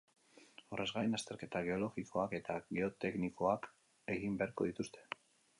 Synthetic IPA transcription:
o̞re̞zɣaenast̪e̞ɾke̞t̪aɣ̞e̞o̞lo̞ɣikʰo̞ake̞t̪aɣe̞o̞t̪e̞kniko̞ak | e̞ɣimbe̞aɾko̞ðit̪ust̪e̞

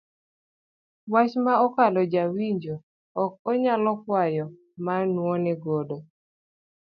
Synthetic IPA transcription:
wat͡ʃmaɔkalɔd͡ʒawiɲd͡ʒoː | k̚ɔɲalɔkwajɔ | manwɔnɛɡodo

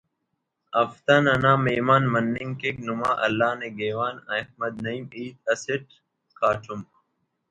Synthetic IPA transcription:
ɐft̪ɐnɐnaːmeːmaːnmɐnːiŋkeknumaːʔɐlːaːneːɡeːʋaːnɐhmɐd̪nɐimiːt̪ɐseʈ̚ | kaːʈʰum

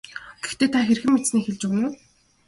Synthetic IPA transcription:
ɡ̥ext̪eːt̪ʰaxerxɘ̆mːet͡sniːxeɮt͡ɕʊɣ̆nuː

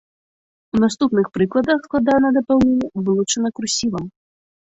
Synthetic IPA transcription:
unast̪upnɨxpɾɨklˠɐd̪ɐxsklˠad̪anɐd̪ɐpawluuvɨlˠut͡ʂɐnɐkɾusʲivɐm

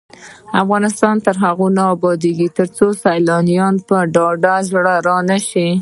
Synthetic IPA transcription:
afɣɑnɪst̪ɑnt̪əɾɦaɣunɑːbɑd̪eɡit̪əɾt͡sosajlɑnijɑnpəɖɑɖazɽaɾɑnaʃi

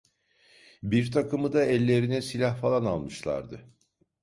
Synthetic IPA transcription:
biɾt̪ʰakɯmɯd̪aɛlʲːe̞ɾinɛsilʲahfalˠana̰lˠmɯʃlˠa̰ɾd̪ɯ

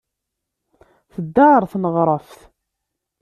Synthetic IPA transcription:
θəd̪ːaɾˤθnəʁɾˤəfθ

